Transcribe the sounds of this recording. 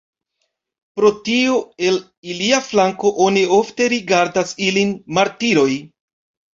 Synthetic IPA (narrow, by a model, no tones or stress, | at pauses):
pɾo̞tioe̞l | iliaflaŋko̞ʔonio̞fte̞ɾiɡaɾdasilinmaɾtiɾo̞j